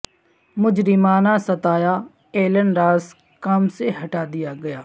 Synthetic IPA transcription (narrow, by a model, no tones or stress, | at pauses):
mʊd͡ʒɾɪmaːnaːsət̪aːjaː | eːlənɾaːs | kaːmseɦɐʈaːd̪ɪjaːɡɐjaː